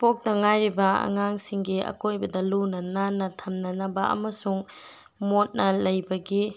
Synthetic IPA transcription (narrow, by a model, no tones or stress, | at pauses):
pok̚tɐŋajɾibɐɐ̰ŋaŋsiŋɡiɐ̰kojbɐdɐlunɐnanɐtʰɐmnɐnɐbɐʔɐ̰mɐsuŋ | mot̚nɐlɐjbɐɡi